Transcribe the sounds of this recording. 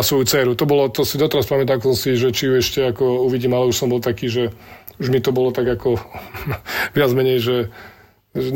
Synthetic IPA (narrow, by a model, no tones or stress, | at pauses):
asʋɔjut͡sɛːɾut̪ɔbɔlɔt̪ɔsid̪ɔt̪ɛɾaspamɛt̪aːmkɛsɔ̃msiʒɛt͡ʃijuɛʃcɛakɔuʋiɟiːmalɛuʃsɔmbɔlt̪akiːʒɛ | uʒmit̪ɔbɔlɔt̪aɡakɔ | ʋɪad͡zmɛɲɛjʒɛ | ʒɛ